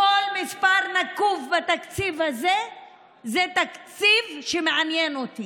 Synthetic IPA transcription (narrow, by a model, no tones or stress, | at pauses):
ko̞lmispaʁnakuvbat̪akt͡sivhaze | zet̪akt͡sivʃemeʕanjenot̪i